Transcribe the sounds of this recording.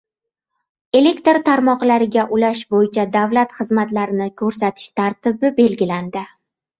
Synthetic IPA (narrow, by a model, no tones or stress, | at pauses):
e̞le̞kʲt̪ɾt̪ʰaɾmɒqlaɾɪɡʲaʔʊlaʃbojɪt͡ʃʰad̪avlat̪χɨzmat̪laɾɪnɪkʰɵɾsat̪ʰɪ̥ʃt̪ʰaɾt̪ʰɪbɪbe̞lɡʲɪland̪ɪ